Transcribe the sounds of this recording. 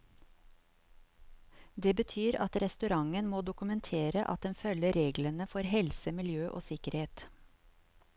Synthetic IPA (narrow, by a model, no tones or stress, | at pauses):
d̪eːbət̪ʰyːɾɑ̰t̪ɾɛst̪ʉɾɑŋənmoːd̪ʊkʉmənt̪ʰeːɾəʔɑ̰t̪̚d̪ɛnfœləɾeːɡlənəfɔɾhɛlsəmɪljøːʔo̰ːsɪkəɾheːt̪